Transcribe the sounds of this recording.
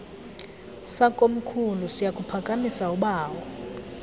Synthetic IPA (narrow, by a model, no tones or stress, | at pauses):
sakʼom̩kʰulusijakʼupʰakʼamisauɓaːwɔ